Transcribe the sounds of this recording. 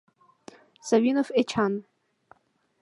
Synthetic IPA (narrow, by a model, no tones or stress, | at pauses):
savinofet͡ʃʰan